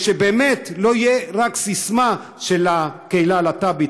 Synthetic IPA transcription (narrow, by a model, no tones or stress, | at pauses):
ʃebeːmet̪lo̞ijeʁaksisma | ʃelakeilalat̪abit